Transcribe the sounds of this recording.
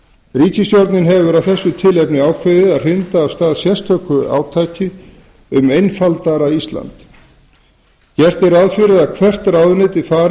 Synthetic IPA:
riːcɪst̪joɾt̪nɪnɦɛvʏɾawθɛsːʏt̪ʰɪlɛpnɪaːwkʰvɪðɪðaðr̥ɪnt̪aːvst̪aːðsjɛst̪ʰœkʏa̰ːwt̪ʰaːjcɪ | ʏmejnfalt̪aɾaist̪la̰nt̪ | jɛr̥t̪ɛɾaðfɪɾɪðakʰvɛr̥t̪ɾaːwðʏnɪt̪ifaːɾ

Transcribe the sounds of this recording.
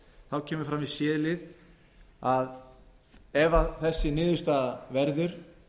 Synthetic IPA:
θawcʰɛːmʏɾ̥fɾamisɪːðlɪð | að | ɛvaθɛsːɪnɪːðʏst̪avɛɾðʏɾ̥

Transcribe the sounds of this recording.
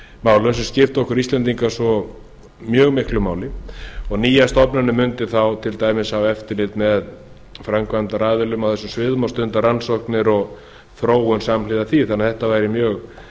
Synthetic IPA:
maːwlʏnsɛmscɪft̪ɔhkʏɾist̪lɛnt̪iŋkasɔ | mjœːɣmɪhklʏmaːwlɪɔɣniːjast̪ɔpnanʏmʏnt̪ɪθawt̪ʰɪlt̪aːjmɪsawɛft̪ɪɾlɪlt̪mɛð | fɾaŋkvant̪aɾaːðɪlʏmawθɛsːʏmsvɪðmawst̪ʏnt̪aɾansɔhknɪɾɔɣ | θɾoːwʏnsamlɪðaθiθanaθɛht̪avaːjɾɪmjœːɣ

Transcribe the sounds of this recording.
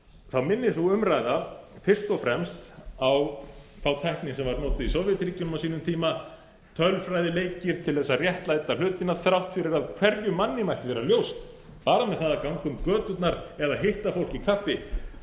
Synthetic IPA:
θawmɪnːɪsuʏmɾaːjðafɪr̥st̪ɔfɾɛmst̪awθawt̪ʰajhknɪsɛmvaɾnɔːt̪ɪðisoːwvjɪt̪ɾiːcʏnʏmawsiːnʏmt̪ʰiːma | t̪ʰœlfɾajðɪleːjcɪɾ̥t̪ʰɪlθɛsːarjɛht̪lajt̪al̥ʏːt̪ɪnaɾθɾawht̪fɪɾɪɾaðkʰv̥ɛɾjʏmanːɪmajht̪ɪvɛːɾaljowst̪ | paːɾamɛðθaðakawŋkʏmkœːt̪ʏt̪naɾɛðaðɦeht̪afowl̥cɪkʰafːɪ

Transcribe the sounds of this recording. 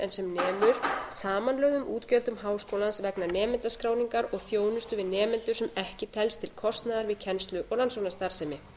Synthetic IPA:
ɛ̰nsɛmnɛːmʏɾ̥saːmanlœːɣðʏmuːt̪cœlt̪ʏmɦaːwskoːwlansvɛknanɛːmɪnt̪askɾaːwniŋkaɾɔɣθjoːwnʏst̪ʏvɪðnɛːmɪnt̪ʏɾ̥sɛmɛhcɪt̪ʰɛlst̪ʰɪlkʰɔst̪naðaɾvɪðcʰɛnst̪lʏʔɔɣlansownast̪aɾ̥sɛjmɪ

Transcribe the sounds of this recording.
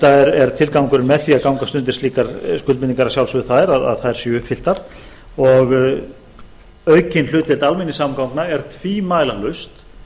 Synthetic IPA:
t̪aɛɾɛɾ̥t̪ʰɪlkawŋkʏɾmɛðθiakawŋkast̪ʏnt̪ɪ̥sliːkaɾskʏlmɪniŋkaɾḁsjawlsʏðθaðɾaða̰ðθaðɛɾ̥sjɛʏhpfɪl̥t̪aɾ̥ | ɔɣ | œːɥcɪnl̥ʏːt̪ɛlt̪almɪnːɪsamkawŋknaɛɾ̥t̪ʰviːmaːjlahlœɥst̪

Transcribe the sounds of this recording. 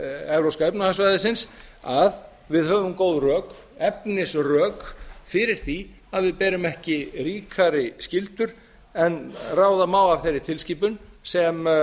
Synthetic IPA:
ɛɾowskaepnahansvajðɪsɪnsað | vɪðhœːvʏmkoːwðrœːk | ɛpnɪsrœːkfɪɾɪɾ̥θi | aðvɪðpɛːɾʏmɛhcɪɾiːkʰaɾɪscɪlt̪ʏɾ̥ | ɛnraːwðamaːwav̥θejɾɪt̪ʰɪlsciːpʏnsɛm

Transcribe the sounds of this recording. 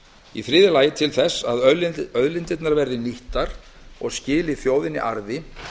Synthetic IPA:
iθɾɪːðɪlaːjɪt̪ʰɪlθɛsːaðœœðlɪnt̪ɪt̪naɾvɛɾðɪniht̪aɾ̥ | ɔɣscɪːlɪθjoːwðɪnːɪ̰ʔaɾðɪ

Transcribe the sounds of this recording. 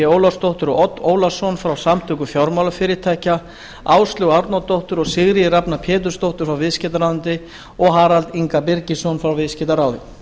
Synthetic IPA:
ɪoːwlawst̪owht̪ʏɾɔɔt̪ːoːwlasɔnfɾawsamt̪ʰʏkʏfjɔwɾmawlafɪːɾɪɾt̪ʰajca | aːwst̪lʏɣaɾt̪nɔt̪owht̪ʏɾɔɣsɪɣɾɪɪɾapnapʰɛːt̪̬ʏ̥st̪owht̪ʏɾ̥fɾawvɪðscɛt̪aɾawɪnt̪ɪ | ɔɣɦaːɾalt̪iŋkapɪɾcɪsɔnfɾawvɪðscɛt̪aɾaːwðɪ̰

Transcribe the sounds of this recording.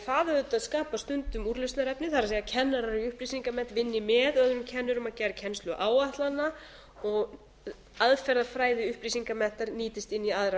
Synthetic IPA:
θaːðʏt̪aðskaːpast̪ʏnt̪ʏmuɾlʏst̪naɾɛpnɪθaɾasɛːjacʰɛnːaɾaɾiʏhplisiŋkamɛn̥t̪vɪnːɪmɛðœðʏɾʏmcʰɛnːʏɾʏmaðcɛːɾacʰɛnst̪lʏʔaːwaht̪lanːa | ɔɣ | aðfɛɾðaðfɾaːjðɪʏhplis̬iŋkamɛh̪t̪aɾniːt̪ɪst̪ɪnːiaðɾa

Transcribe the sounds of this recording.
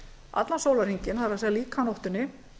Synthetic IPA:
a̰t̪lansoːwlaɾ̥iɲcɪnhaðɾasɛːɣðaliːkʰanɔwht̪ʏnːɪ

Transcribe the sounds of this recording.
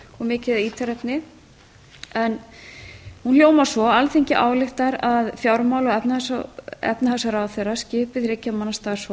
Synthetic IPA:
ɔɣmɪːcɪðaiːt̪ʰaɾɛpnɪ | ɛn | hunl̥joːwmawsvɔalθeɲcɪʔa̰ːwlɪxt̪aɾaðfjawɾmaːwlɔɣɛpnaasaɛ̰pnahasaɾawθerascɪːpɪðrɪcːamanːast̪aːs

